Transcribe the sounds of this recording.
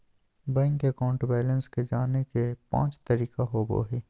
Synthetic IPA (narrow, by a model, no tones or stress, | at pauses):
bɛ̃ŋɡkekɔːɳʈbaːlə̃nsked͡ʒaːnekepã̰ːt͡ʃt̪ɐɾiːkaɦoːbo̰ːɦeː